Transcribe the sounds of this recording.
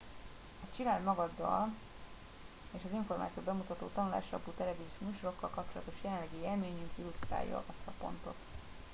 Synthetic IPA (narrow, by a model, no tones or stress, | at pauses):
ɒt͡ʃilaːd̪mɒɡɒd̪ːɒ̰l | eːʃɒziɱfo̞rmaːt̪sijoːbɛmut̪ɒt̪o̰ːt̪ɒnula̰ːʃrɒ̰puːt̪ɛlɛvizumuʃoɾo̞kːɒlkɒpt͡ʃo̞lɒ̰t̪o̞ʃjɛlɛnlːɛɡijelmeːɲyŋkilust̪ra̰ːjːɒ̰ɒst̪ɒpo̞̰nt̪o̞̰t̪